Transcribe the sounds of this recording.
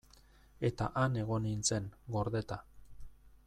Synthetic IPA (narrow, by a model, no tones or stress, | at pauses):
e̞t̪a̰ʔane̞ɣ̞o̞nint͡se̞ŋɡo̞ɾðe̞t̪a